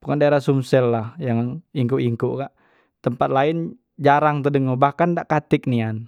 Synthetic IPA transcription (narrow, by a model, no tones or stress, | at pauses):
b̥ukandaeɾasumsɛlːahjaŋiŋkuʔiŋkuʔkaʔ | t̪əmpat̪̚lain | d͡ʒaɾaŋt̪udəŋobahkandaʔkat̪ɪk̚nian